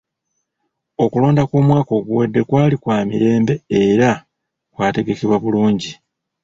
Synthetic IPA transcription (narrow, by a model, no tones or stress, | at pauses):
o̞kulo̞ːndakoːmwaːko̞ɡuwedːe̞kwaːlikwaːmiɾe̞ːmbe̞eɾa | kwaːte̞ɡe̞keβwaβuluːɲɟi